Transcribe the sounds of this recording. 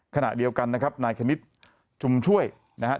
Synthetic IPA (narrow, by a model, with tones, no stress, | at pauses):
kʰa˧na̰˨˩ʔdi˧əwka˧nː˦˥kʰa˦˥p̚naː˧jkʰa˧ni˦˥t̪̚ | t͡ɕʰu˧mt͡ɕʰu˥˩əj | na˦˥ɦa˦˥